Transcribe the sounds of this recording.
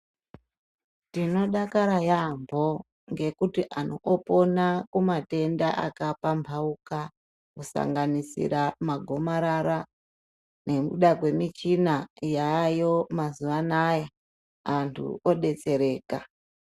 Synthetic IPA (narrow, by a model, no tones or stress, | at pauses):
tino̞ɗakaɾajambʱo̞ | ŋɡe̞kutiʔanoʔːpo̞nakumate̞ndaʔa̰kapambʱauka | kusa̰ŋɡanisḭɾamaɡʱo̞maɾaɾa | ne̞kuɗakwe̞mit͡ʃinajajo̞mazuʋanaja | antʰṵoɗe̞t͡se̞ɾe̞ːka